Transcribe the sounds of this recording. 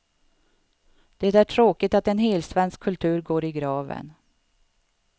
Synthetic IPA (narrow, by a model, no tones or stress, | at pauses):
d̪̥ɛt̪æʈʰɾoːkɪt̪at̪ɛnɦeːlsvɛnskʰːɵlt̪ʰʉ̟ːɾɡoːɾɪɡɾɑːvə̰n